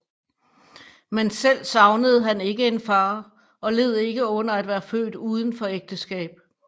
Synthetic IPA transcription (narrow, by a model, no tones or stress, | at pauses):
mensel̰sɑ̈ʊnəð̞̩ˠɦæne̝ɡ̥əe̝nfɑ̈ː | ɒ̽le̝ð̞̰ˠe̝ɡ̥əɔ̽n̰ɐæd̥ʋæːɐfø̰ːd̥uð̞ˠn̩fɒ̽eɡ̥̚d̥əsɡ̥ɛ̰ːb̥̚